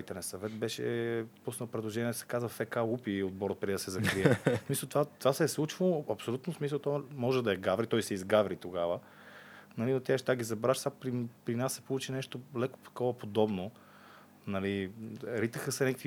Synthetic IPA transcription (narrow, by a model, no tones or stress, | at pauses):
it̪ɛnɛsɐvɛt̪bɛʃɛ̰pusnəlˠpɾɛd̪lˠoʒɛniɛd̪ɐsɛ̥kazvəfɛkaupiod̪̚bɔɾət̪̚pɾid̪ɐsɛzɐkɾiɛssmisəlˠt̪vat̪ːvasɛslˠut͡ʃvoɐpsolʲut̪nosmisəlˠt̪ɔmɔʒɛd̪ɐɛɡavɾit̪ɔjsɛizɡavɾit̪oɡavə | nɐliot̪ːɛʃt̪aɡizɐbɾaʃsapɾipɾinassɛ̥polut͡ʃinɛʃt̪olɛko̥t̪ɐ̥kɔvɐpod̪ɔbno | nɐliɾit̪əxəsɛnɛkəkvi